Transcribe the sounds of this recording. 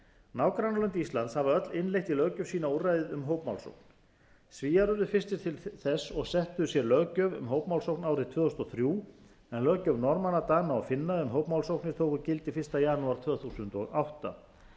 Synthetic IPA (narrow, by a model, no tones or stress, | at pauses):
nawkɾanalʏnt̪ist̪lant̪shavaœt̪lɪnlejht̪ilœɣcʏv̥siːnaurajðɪðʏmɦoːwpmawlso̰wkn̥ | sviːjaɾʏɾðʏfɪst̪ɪ̥t̪ʰɪlθɛsːɔɣsɛht̪ʏsjɛɾlœɣcœvʏ̰mɦoːwpmawlsowknaːwɾɪðt̪ʰv̥œːðʏst̪ɔθɾjuː | ɛnlœɣcœvnɔɾmanat̪anaa̰fɪnːaðʏmɦoːwpmawlsowhknɪɾ̥t̪ʰoːwkʏcɪlt̪ɪfɪr̥st̪ajaːnuaɾ̥t̪ʰv̥œːθusʏnt̪ɔ̰ɣawht̪a̰